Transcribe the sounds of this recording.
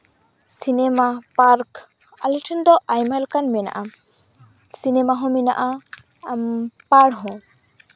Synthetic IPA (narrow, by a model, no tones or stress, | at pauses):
sinɛmapaɾk | a̰liʈʰɔnd̪ɔʔajmalkanmɛna̰ʔa | sinɛmaɦɔ̃mina̰ʔa | paɽɦɔ̃